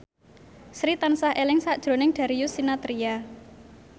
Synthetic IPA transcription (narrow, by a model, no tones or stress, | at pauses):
sɾit̪ansahʔelɪŋsaʔd̥ʒ̥ɾo̤nɪŋɖ̪̥a̤ɾijʊsinat̪ɾija